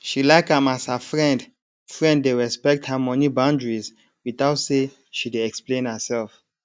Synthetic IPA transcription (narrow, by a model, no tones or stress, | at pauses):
ʃilaɪkãmashəfɹɛ̃nd | fɹɛ̃nddeɹɛspɛk̚thəmɔnibãʊ̃ndɹiz | wiθaʊtse | ʃideɛksplẽnəsɛlf